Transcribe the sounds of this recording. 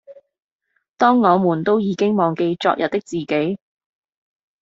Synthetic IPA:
t̪ɔː˥ŋːɔː˨˧muː˨˩nt̪o˥wjiː˨˧kɪ˥ŋmɔː˨ŋke˧jt͡ʃɔ̰ː˧k̚jʔɐ˨t̚t̪ɪ˥k̚t͡siː˨ke˨˥j

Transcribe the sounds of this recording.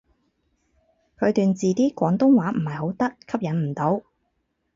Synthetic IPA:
kʰɵ˨˧t̪yː˨nt͡siː˨t̪iː˥kʷɔː˨˥ŋt̪ʊ˥ŋwaː˨˥m̩˨˩hɐ˨˩jɦo˨˥wt̪ɐ˥kʰːɐ˥p̚jɐ˨˥nm̩˨˩t̪o˨˥w

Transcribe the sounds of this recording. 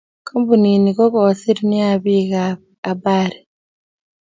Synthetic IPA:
kʰo˦mbu˨ni˨ni˨kɔ˦kɔ˨si˦ɾi˦ni˦a˨bi˦ɣa | a˨ba˦ɾi˨

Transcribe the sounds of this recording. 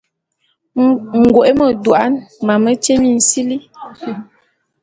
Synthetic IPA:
ŋ̩˨ɡo˨ʔe˦mə˨dwa˦nma˨mə˦t͡ʃe˦mi˦˨n̩˨si˦li˦

